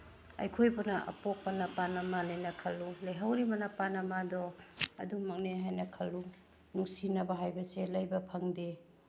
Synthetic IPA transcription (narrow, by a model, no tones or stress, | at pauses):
ɐ̰jkʰojbɐnɐʔɐ̰pok̚pɐnɐpanɐmanajnɐkʰɐlːulɐjɦawɾibɐnapanɐmadɔɐ̰dumɐk̚neɦajnɐkʰɐlːu | nuŋsinɐbɐɦajbɐselɐjbɐpʰɐŋde